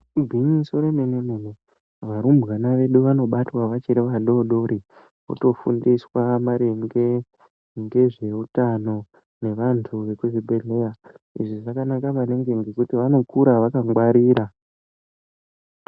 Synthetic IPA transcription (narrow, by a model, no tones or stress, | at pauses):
bʱinisoɾenenenene | ʋaɾumbɣanaʋe̞ɗuʋano̞ɓatwaʋat͡ʃiɾeʋaɗo̞ɗoɾʔi | ṵto̞fṵndiswamaɾe̞ŋɡe̞ | ŋɡe̞ʐe̞utano̞ | ne̞ʋantʰuʋe̞kuʐibʱe̞ɮe̞ja | ḭʐiʐakanakaʋane̞ŋɡe̞ŋɡe̞kutiʋano̞kuɾaʋakaŋɡwaɾiːɾa